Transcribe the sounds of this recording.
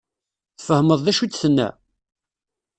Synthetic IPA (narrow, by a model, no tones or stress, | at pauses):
θfəhməðˤðæʃut͡sːθənːæ̰